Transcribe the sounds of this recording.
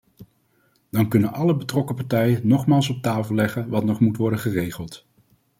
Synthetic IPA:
d̥ɑnkɵnənɑləbətrɔkəpɑɹtɛjənnɔχmaːlˠs̬ɔp̚taːvəlɛχənʋɑtnɔχmutʋɔɹdəχərejχəlˠt

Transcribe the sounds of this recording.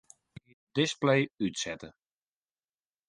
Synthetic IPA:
i | dɪsplejytsɛtə

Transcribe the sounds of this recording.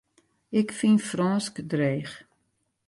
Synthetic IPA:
ɪkfinfrɔːskdreːχ

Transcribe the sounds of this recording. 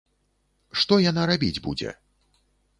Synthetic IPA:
ʂt̪ɔjanaɾabʲid͡zʲbṵd͡zʲɛ̰

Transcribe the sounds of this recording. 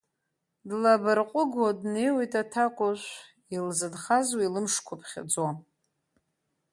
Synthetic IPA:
dlabarqʼʊɡwadne̞jwejtʼatʰakʷʼʊʃʷ | ilzɨdχazwailɨmʂkʷʰapʰχʲa̰d͡zwa

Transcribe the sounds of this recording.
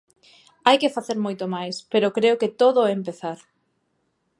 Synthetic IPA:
ajkɪfaθeɾmojt̪omajspeɾʊkɾeoket̪oðoempeθaɾ

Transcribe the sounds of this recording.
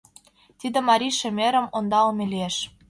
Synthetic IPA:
t̪id̪ĕmɑɾʲiʃĕmʲeɾə̆mond̪ɑlmʲelieʃ

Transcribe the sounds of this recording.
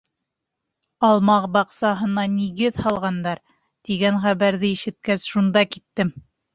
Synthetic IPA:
ɑlˠmɑqbɑqsɑɦɤ̆nɑniɡɘðhɑlˠʁɑnd̪ɑɾ | t̪iɡænχæβæɾðɘiʃɘ̆t̪̚kæsʃund̪ɑkit̪ːɘm

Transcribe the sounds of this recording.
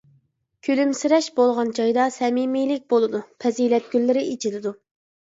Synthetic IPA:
kʲʰølymsɪɾɛʃbolˠʁɑnd͡ʒɑjd̪ɑsɛmimijlɪk̚ʲbolˠɨd̪upʰɛzilɛt̪̚ɡʲylːɪɾɪit͡ʃʰilɪd̪u

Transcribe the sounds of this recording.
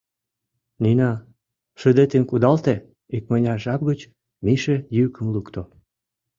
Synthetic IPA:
ninɑ | ʃød̪et̪emkud̪ɑlt̪e | ik̚mənʲɑʒɑp̚ɣət͡ɕ | miʃejykə̆mlukt̪o

